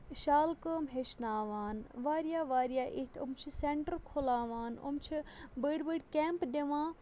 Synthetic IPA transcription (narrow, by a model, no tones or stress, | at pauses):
ʃaːlkəːmɦeʃnaːʋaːnʋaːɾjaːʋaːɾijaːʔit̪ʰo̰mt͡ʃʰiseɳʈəɾkʰolaːʋaːno̰mt͡ʃʰibəɽbəɖkeːmpd̪eʋãː